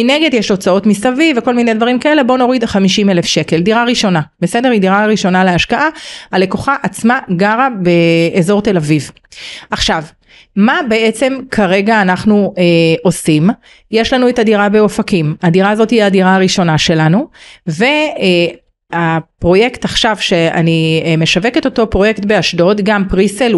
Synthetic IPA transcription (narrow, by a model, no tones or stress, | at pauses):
ineɡe̞djeʃo̞t͡sao̞tmisaviveko̞lminedvaʁimkae̞le̞bo̞no̞ʁidχamiʃimelefʃe̞ke̞ldiʁaʁiʃo̞nabe̞se̞de̞ʁidiʁaʁiʃo̞naleaʃkaʔaale̞koχaʔat͡smaɡaʁabe̞ːzo̞ʁt̪e̞laviv | ʔaχʃav | mabe̞et͡se̞mkʰaʁe̞ɡaːnaχnuʔo̞sim | jeʃlanuetadiʁabe̞ofakimadiʁaːzo̞tiadiʁaaʁiʃo̞naʃe̞lanuve̞ | apʁo̞je̞ktaχʃavʃe̞a̰nime̞ʃaveketo̞to̞pʁo̞je̞kt̪be̞aʃdo̞tɡampʁisel